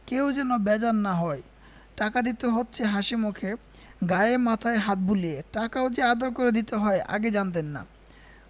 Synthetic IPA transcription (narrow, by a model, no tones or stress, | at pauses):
kewd͡ʑɛnobɛd͡ʑanːaɦɔe | ʈakad̪it̪eɦotːɕʰeɦaʃimokʰe | ɡaeemat̪ʰaeɦat̪̚bulieʈakaod͡ʑead̪oɾkoɾed̪it̪eɦɔeʔa̰ɡed͡ʑant̪̬enːa̰